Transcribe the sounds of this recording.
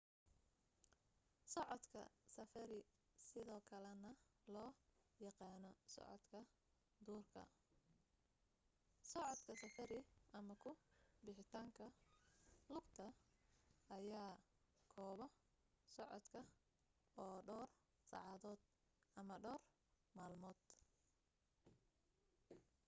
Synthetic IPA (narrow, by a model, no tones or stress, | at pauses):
sɔʕɔd̪kʰɐ̰sɐfɐɾɪ | sɪðɔːkʰɐlɛnɐlɔːjɑqɑːnɔsɔ̰ʕɔ̰d̪kʰɐ | d̪uːrkʰɐ̰ | sɔʕɔd̪kʰɐsɐfɐɾɪʔɐmɐkʰʊbɪħɪt̪ʰaːŋkʰɐ | lʊɡt̪ʰɐ | ɐjaːkʰɔːβɔ | sɔʕɔ̰d̪kʰɐ | ɔːɖɔːr | sɑ̰ʕɑðɔːd̪̥ | ʔɐmɐɖɔːr | maːlmɔːd̪̥